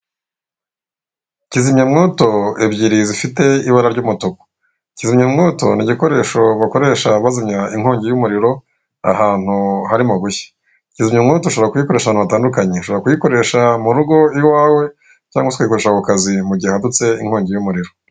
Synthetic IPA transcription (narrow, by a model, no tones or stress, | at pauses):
cizimɲemŋo̞ːto̞ebɟiɾizifite̞iβaɾaɾɟuːmutoko̥ | icizimɲemŋo̞ːto̞niɟiko̞ɾe̞ːʃo̞βako̞ɾe̞ʃaβazimɲaiŋ̥ho̞ːɲɟejumuɾiɾo̞ | a̰haːn̥uhaɾimuɡuçḁ | cizimɲemŋo̞ːto̞ʃoβɾakujiko̞ɾeʃaβaːnuβataːndukaɲe̞ʃooɾakujiko̞ɾe̞ʃamuɾuɡo̞iwaːwe̞ | caːŋɡwosi̥kujiko̞ɾeʃakukazimuɟiahadut͡se̞iŋ̥ho̞ːɲɟejumuɾiɾo̞